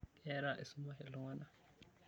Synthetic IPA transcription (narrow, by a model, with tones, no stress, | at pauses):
kɛ˦ɾa˨ʔi˨su˦ma˦hɛ˨lu˦ŋa˦na˨